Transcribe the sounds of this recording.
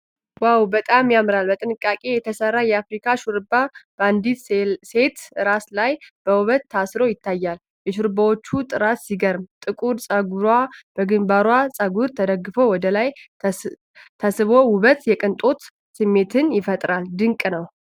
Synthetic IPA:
wawbət̪ʼamjamɾalbət̪ʼɨnɨkʼːakʼe̞jɛt̪ʰəsərːajɛafɾikʰaʃuɾbab̥and̪it̪se̞t̪ɨɾaslajb̥əwuβət̪ʰːasɾo̞jɪt̪ʰːajːal | jɛʃuɾbawot͡ʃːut̪ʼɨɾat̪siɡəɾmt̪ʼɨkʼuɾsʼəɡuɾwab̥əɡɨmbaɾwasʼəɡuɾt̪ʰəd̪əɡːɨfo̞wɔd̪əlaj | t̪ʰəsɨβo̞wʊβət̪jɛkʼɨnt̪ʼo̞t̪ | sɨmːe̞t̪ʰɨnjɪfət̪ʼɾald̪ɨŋkʼnəw

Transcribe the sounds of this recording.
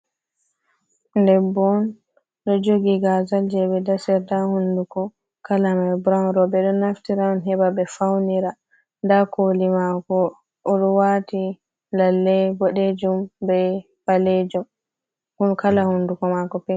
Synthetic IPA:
ndɛbɔn | ɗɔd͡ʒoɡiɡazald͡ʒɛbɛdasɛɾtahundukɔ | kalamabɾanɾɔbɛɗɔnaftiɾaɔnɦɛbabɛfawniɾa | ndakolimakɔ | ʔɔɗɔwati | lalːɛbɔɗed͡ʒumbɛ | baled͡ʒum | hunkalahundukɔmakɔpɛ

